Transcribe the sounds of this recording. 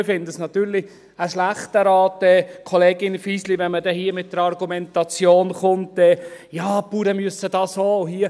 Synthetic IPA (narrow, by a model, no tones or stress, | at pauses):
fɪnd̪əsnɑt̪yːɾlɪ | əʃlaχtəɾɑːtɛːkʰɔleːɡɪnfiːsliʋɛnmədɛhiːmɪt̚d̥əɾɑrɡumɛntɑt͡sjoːnχʊntɛjɑːpuːɾəmyəsəd̥ɑːshoːʊɦiːə